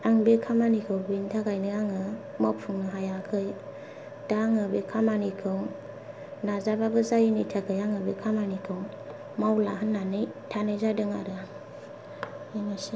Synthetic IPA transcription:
aŋbikʰamanikʰɯwbintʰaɡajnɯaŋɯmɔpʰuŋnɯɦajakʰɯj | d̥aŋɯbikʰamanikʰɯw | nazababɯzajinitʰaɡʰɯjaŋɯbikʰamanikʰɯw | mawlaɦɯnːanɯjtʰanɯzadɯŋa̰ɾɯ | iŋasi

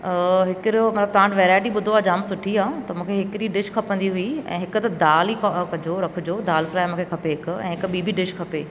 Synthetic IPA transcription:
ɦɪkɾiomɐt̪ləb̚t̪ãːɳʈʋɛːɾaːɪʈiɓʊd̪ʱoad͡ʑaːmsʊʈʰiaːt̪ɐmũːkʰeɦɪkɪɾiɖɪʃkʰɐpə̃nd̪iɦʊiɛ̰̃ːɦɪkʊt̪ɐd̪aːlikkɐd͡ʑoɾɐkʰʊd͡ʑoːd̪aːlfɾaːemũːkʰekʰɐpeɦɪkʊɛ̃ːɦɪkɓiːbʱiɖɪʃkʰɐpeː

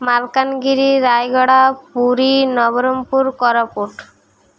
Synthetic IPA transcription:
malkanɡiɾiɾajɡɔɽapuɾinɔβoɾompuɾkɔɾopuʈ

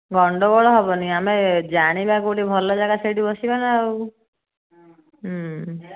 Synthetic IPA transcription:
ɡɔɳɖɔbɔɭɔɦɔbɔniamed͡ʒaɽ̃ibakoʈibʱɔlɔd͡ʒaɡaseɽibɔsibanaw

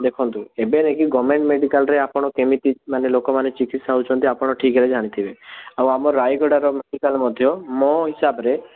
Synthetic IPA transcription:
d̪ekʰɔnt̪uebenekiɡɔmeɳʈmeɖikalɾeapɔɽ̃ɔkemit̪imanelokɔmanet͡ʃikit̪saut͡ʃʰɔnt̪iapɔɽ̃ɔʈʰikeɾed͡ʒʱaɽ̃it̪ʰibeawamɔɾajɡɔɽaɾɔmeɖikalmɔd̪ʱjɔmɔɦisabɔɾe

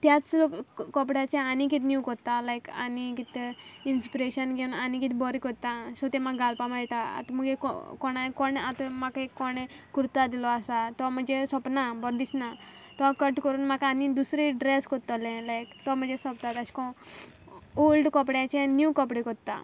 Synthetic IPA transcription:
t̪jat͡slokkɔpɽjat͡ɕẽanik̬it̪njukɔɾt̪alajka̰nikit̪einspiɾeɕənɡʱeunanikit̪bɔɾikɔt̪asɔt̪emaɡalpamaɭʈaa̰t̪məɡekɔ̰kɔnakɔɳat̪əmakekːɔɽekɾut̪ad̪ilɔasat̪ɔm̤əd͡zesɔpnabɔɾd̪isnat̪ɔkəʈkəɾuːnmakaːnid̪usɾeɖɾeskɔt̪ɔlẽlajkt̪ɔm̤əd͡zesɔpt̪at̪aɕi̥kɔ | olɖkɔpɽjãt͡ɕẽnjukɔpɽikɔt̪a̰

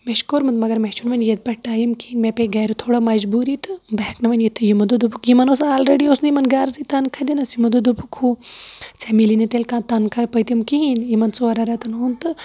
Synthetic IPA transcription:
meʃkoɾmɨt̪mɐɡɐɾmet͡ʃunʋɐnjɐd̪̚pɐʈʈaːjimkiinmepeɡɐɾut̪ʰoːɽamɐd͡ʒbuːɾit̪ɨbɐɦknɐʋɐnjit̪ʰːɨjimɐd̪ud̪upukjimɐnosaːlɾeɖiosnjimɐnɡaːɾzit̪ɐnkʰɐd̪inɐsimɐd̪ud̪upʰukʰut͡semilinit̪elkãːt̪ɐnkʰɐpɐjt̪imkiɦinjimɐnt͡soɐɾɐɾɐt̪ɨnunt̪ɨ

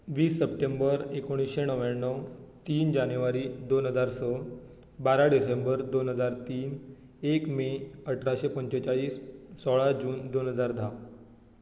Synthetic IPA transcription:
ʋiːsːəp̚ʈembəɾekoɽ̃isɕeɳəʋjanːəwt̪iːnd͡ʑanjuʋaɾiːd̪onɦəd͡zaɾsə | baɾaɖisembəɾd̪onɦəd͡zaɾt̪iːn | ekmeəʈʰɾaɕepəɲt͡ɕɔt͡ɕaɭiːsːɔɭad͡ʑuːnd̪onɦəd͡zaɾd̪ʱa

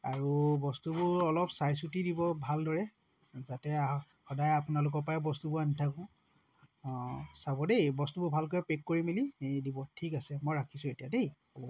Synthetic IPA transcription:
a̰ɹubɔstubʊɹɔlɔpsajs̬utidibɔbʱaldɔɹɛ | zatɛ | xɔdajapʊnalʊk̬ɔpaɛbɔstubʊanitʰakʊ̃ | sabɔdejbɔstubʊbʱalk̬ojɛpekːoɹimiliedibɔtʰikasɛmɔjɹakʰisʊ̃etijadej | ɔbɔ

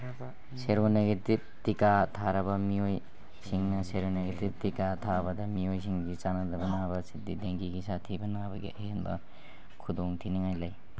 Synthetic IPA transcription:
seɾoneɡetip̚tikatʰaɾɐbɐmioj | siŋnɐseɾoneɡetip̚tikatʰabɐdɐmiojsiŋɡit͡ʃanɐdɐbɐnabɐsidideŋɡiɡisatʰibɐnabɐɡḭʔɐɦenbɐ̰ | kʰudoŋtʰiniŋajlaj

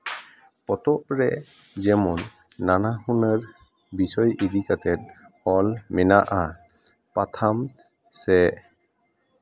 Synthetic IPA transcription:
pɔt̪ɔpɾɛ | d͡ʒɛmɔnː | anahunəɾ | bisɔjʔid̪ikat̪ɛt̪̚ | ɔlmɛnaʔa | pat̪ʰam | sɛʔ

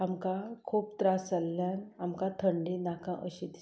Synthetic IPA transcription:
amkãkʰuːpt̪ɾasalːjanamkãt̪ʰəɳɖĩnakãʔəɕid̪i

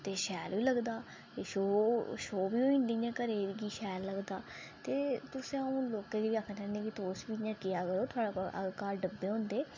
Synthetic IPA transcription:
t̪eːʃɛːlʋiːləɡd̪aː | t̪eːʃoːʃoːbiːɦoːĩːnd̪iːjãːkəɾeːɾɡiːʃɛːlːəɡd̪aː | t̪eːt̪ʊsẽːaũːloːkeːɡiʋiːaːkʰːtɛ̃ːneːkit̪oːsbiːjãːkɪjaːkəɾoːt̪ʰʊaːɽaːə̰kaːɾɖəbːeːɦõːnd̪eː

